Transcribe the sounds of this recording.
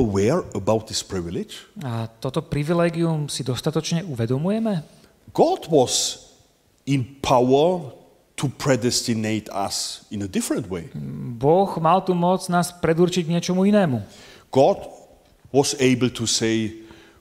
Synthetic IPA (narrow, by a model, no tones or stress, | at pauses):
əwɛɹəbaʊt̪̚ðɪspɹɪvɪlɪd͡ʒat̪ɔt̪ɔpɾiʋilɛːɡiumsid̪ɔst̪at̪ɔt͡ʃɲɛuʋɛd̪ɔmujɛmɛ | ɡ̥ɑdwɔz | ɪ̃npʰaʊə˞ | tʰupʰɹɛdɛstineɪtʰa̰sɪ̃nədɪfɹə̃ntweɪbɔɣmalt̪umɔd͡znaːspɾɛd̪uɾt͡ʃiɟɲɪɛt͡ʃɔmuinɛːmuɡ̥ɑd | wɔzeɪbl̩ˠtʰuseɪ